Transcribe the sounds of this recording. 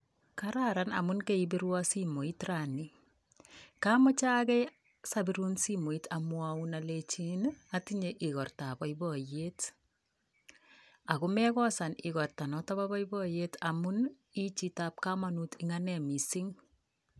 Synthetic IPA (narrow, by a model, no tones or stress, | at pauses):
kaɾaɾana̰mʊnkeibiɾwasimoitrani | kamɔt͡ʃakɛ | sabiɾunsimoitʰamwaunalet͡ʃinatiɲeʔɪɣɔrtabɔjbɔjet | akʊmɛkɔsanɪɣɔrtanɔtaβabɔibɔjetamun | it͡ʃitap̚kamanutɪŋanɛmisɪŋ